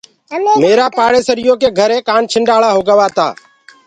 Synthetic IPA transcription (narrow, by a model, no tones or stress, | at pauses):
meːɾaːpaːɽeːsəɾɪjõːkeːɡʱəɾẽːkaːnt͡ʃʰɪɳɖaːlaːɦoːɡəʋaːt̪a̰ː